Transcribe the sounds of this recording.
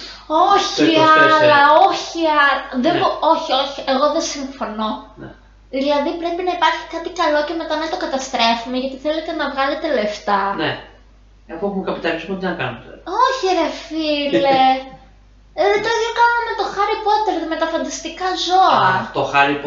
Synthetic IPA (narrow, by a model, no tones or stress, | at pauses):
o̞çiɐɐlɐo̞çiɐlðeoo̞çioçie̞ɣo̞ðesiɱfo̞no̞n̰ | ðilɐðipɾe̞pinɐipɐɾçi̥kɐt̪ikɐlo̞ce̞me̞t̪ɐnɐnt̪o̞kɐt̪ɐst̪ɾe̞fume̞ʝɐt̪iθelet̪e̞nɐvɣɐle̞t̪e̞le̞ft̪ɐne | efoexumkɐpit̪ɐɾisumɐt̪inɐkɐ̰not̪eo̞çiɾefile | ðet̪oɣokɐnunmet̪o̞xɐɾipo̞t̪eɾðime̞t̪ɐfɐnd̪ɐst̪ikɐzo̞ɐt̪oxɐɾip